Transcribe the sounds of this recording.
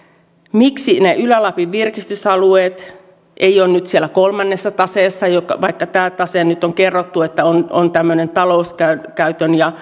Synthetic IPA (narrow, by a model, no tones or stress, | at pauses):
miksineʔylælɑpiʋʋirkist̪ysɑlueːt̪ | ʔeioːnnyt̪sielækolmɑnːesːɑt̪ɑseːsːɑjokɑʋɑikːɑt̪æːlt̪ɑsennyt̪ːoŋkerːot̪ːuet̪ːæono̰nt̪æmːønent̪ɑlouskækæyt̪ønjɑ